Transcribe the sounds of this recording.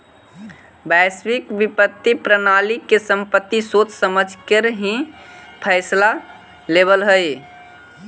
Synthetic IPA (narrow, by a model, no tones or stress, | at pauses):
bɛswikbipət̪ːipɾənalikːesəmpət̪ːisot͡ʃsəməd͡ʒʱkeɾɦĩpʰəɪsla | lebəlɦəj